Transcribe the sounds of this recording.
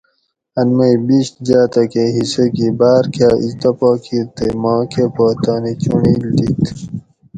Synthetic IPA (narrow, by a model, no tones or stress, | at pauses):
ɐnmɐibiɕd͡ʑaːt̪ɐkeɦisekibaːɾkaːʔḭst̪ɐpaːkʰiɾt̪emaːkepoːt̪aːnit͡ɕuɳild̪it̪